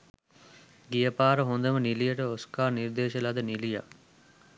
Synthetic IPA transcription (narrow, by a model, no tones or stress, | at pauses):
ɡijɐpaːɾəɦond̪ɐmənilijɐʈəoskaːɾniɾd̪eːʃɐlɐd̪ənilija̰